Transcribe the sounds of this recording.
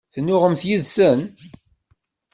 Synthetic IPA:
θnːʊʁəmθjiðsən

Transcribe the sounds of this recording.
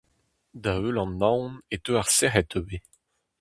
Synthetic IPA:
d̪aølɑ̃nːãwnet̪øaʁsɛʁɛt̪øbe

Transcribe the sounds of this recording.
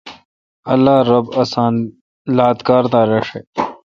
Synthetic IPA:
ɐlːaːɾɐbɐsaːn | laːt̪kaːɾd̪aːɾeʂe

